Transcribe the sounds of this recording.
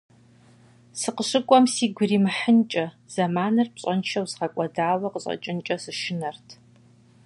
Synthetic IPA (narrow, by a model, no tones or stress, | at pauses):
sɨqəɕɨkʷʼɔmsiːɡʷʊriːmɨħənt͡ʃʼɐ | z̥ɐmaːnɨrpɕʼɐnʃɐwzʁɐkʷʼɐdaːwɐqəɕʼɐ̰t͡ʃʼɪnt͡ʃʼɐsɨʃɪnɐrtʰ